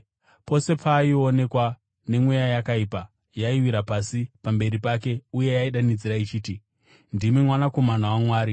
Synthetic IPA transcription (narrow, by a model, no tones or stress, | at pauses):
po̞se̞pʰaio̞ne̞kwa | ne̞mwejajakaipa | jaiwiɾapasipambe̞ɾipake̞uje̞jaiɗanid͡ziɾait͡ʃiːti | ndimimwanako̞manawamwaːɾi